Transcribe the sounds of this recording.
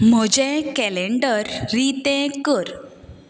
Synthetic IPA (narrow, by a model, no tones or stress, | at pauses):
m̤ɔd͡ʑẽkɛleɳɖəɾːit̪ɛ̃kəɾ